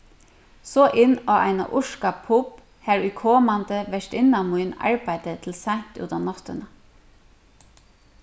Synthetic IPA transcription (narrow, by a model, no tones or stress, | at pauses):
soːʔɪnoːʔæ̰ɪnɑ̰ʔʊʃkɑpʰʊb̥ | hæːɹyːkʰoːmɑnd̪əʋɛʃʈɪnɑmʊʏnɑ̰ɹbæɪd̪̥ət̪ʰl̩sænt̪ʉ̰ːt̪ɑːnɔt̪ənə